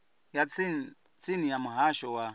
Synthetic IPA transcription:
ja | t͡sinijamuɦaʃɔwa

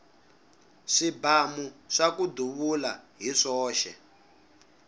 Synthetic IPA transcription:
ʂibamuʂakuduβula̰ɦiʂɔːʃɛ̰

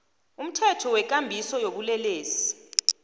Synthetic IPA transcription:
um̩tʰɛtʰɔwɛk̬ʼambʱisɔjoɓulɛleːsi̥

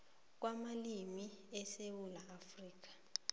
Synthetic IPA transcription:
k̬wamalimiɛsewulaːfriːk̬ḁ

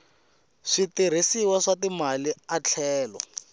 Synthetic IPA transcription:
ʂitir̤isiwaʂatimaliat͡ɬʰɛːlɔ̰

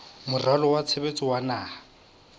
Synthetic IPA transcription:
mʊralɔwat͡sʰebet͡sʼɪwanaː

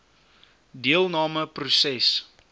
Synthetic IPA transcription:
diəlˠnɑːməprusɛs

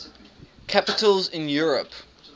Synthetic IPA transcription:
kʰapɪtəlˠzɪ̃njɔːɹəp

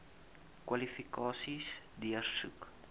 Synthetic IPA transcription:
kwalifikɑːsis | diərsṵk

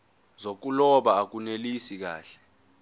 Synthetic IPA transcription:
zok̬ulɔɓaːk̬unelisik̬a̰ːɬɛ̥

